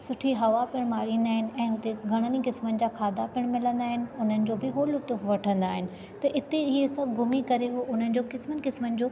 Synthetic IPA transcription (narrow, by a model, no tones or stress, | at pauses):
sʊʈʰiɦɐʋapɪɽ̃maːɾĩːn̆d̪aːɦɪnɪ̆ɛ̃ːɦʊt̪eɡʱɐɽ̃ənikɪsmənɪ̆d͡ʑaːkʰaːd̪apɪɽ̃mɪlə̃nd̪aːɦɪnɪ̆ʊn̤ənɪ̆d͡ʑoːbɪɦoːlʊt̪ʊfʋɐʈʰə̃nd̪aːɦɪnɪ̆ | t̪ɐʔɪt̪eiɦesɐbʱɡʊmikɐɾeɦoʔʊn̤ənɪ̆d͡ʑoːkɪsmənɪ̆kɪsmənɪ̆d͡ʑoː